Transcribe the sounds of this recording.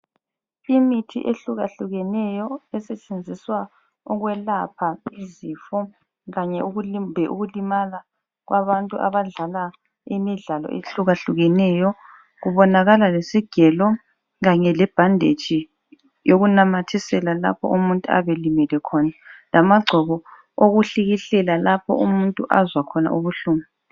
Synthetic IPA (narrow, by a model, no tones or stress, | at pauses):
imitʰḭʔeɬuɣaɬuɣɛnɛjɔɛsɛt͡ʃʼend͡zʱiswa | uɣwɛlapʰaiziːfɔ | ɣaɲɛuɣubʱɛʔuɣulimala | ɣwʔaβantʼuʔa̰βaɮala | imiɮalɔ̰ʔeɬuɣaɬuɣɛnɛjɔ | ɣuβɔnaɣalalesiɡ̥ʱɛlɔ | ɣaɲɛlɛb̥ʱandʱet͡ʃʰʼi | joɣunamatʰisɛlala̰pʰɔ̰ʔumuntʼua̰βelimilɛkʰɔnalamaɡ͡ǀʱɔβɔ | oɣuɬiɣiɬɛlalapʰɔ̰ʔumuntʼuʔazwakʰɔna̰ʔuβuɬuːmɛ